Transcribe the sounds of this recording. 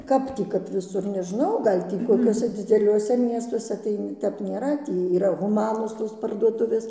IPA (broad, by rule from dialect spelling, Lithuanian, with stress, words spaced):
ˈkɐp tʲiː kɐp ʋʲɪˈsʊr nʲɛʒˈnɐʊ ˈɡɐlʲ tʲiː koːˈkʲuɔsʲɛ d͡zʲɪdʲɛˈlʲuɔsʲɛ ˈmʲiɛstuɔsʲɛ ˈtɐɪ ˈtʲɛp nʲeːˈrɐ ˈtʲiː iːˈrɐ ɣʊˈmɑːnoːs ˈtoːs pɐrduɔˈtʊʋʲeːs